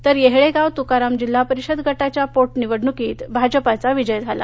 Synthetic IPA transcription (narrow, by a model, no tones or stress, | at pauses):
t̪əɾjeɦɭeɡawt̪ukaɾamd͡ʑilːapəɾiɕəd̪ɡʱəʈat͡ɕjapoʈniʋəɽɳukiːt̪bʱad͡ʑəpat͡saʋid͡ʑəjd͡zʱala̰